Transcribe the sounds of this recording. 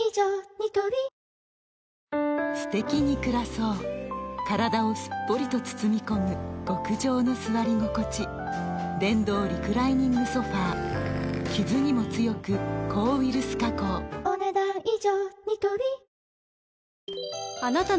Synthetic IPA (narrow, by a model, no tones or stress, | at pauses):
id͡ʑoːɲit̪obʲi | sɨ̥t̪e̞kʲiɲ̟ikɯ̟ɾaso̞ːkaɾad̪ao̞sɨ̥pːo̞ɾʲit̪o̞t͡sɨ̥t͡sɨmʲiko̞mɯ̟ɡ̥o̞kɯ̟ʑo̞ːno̞sɨβaɾʲiŋo̞ko̞t͡ɕi | d̪ẽ̞nd̪o̞ːɾʲikɯ̟ɾaiɲ̟ĩŋɡɯso̞ɸaː | kʲizɨɲ̟imo̞t͡sɨjo̞kɯ̟kʰo̞ːβiɾɯ̟sɨ̥kako̞ːoned̪aiʑoːɲit̪obʲi | anat̪a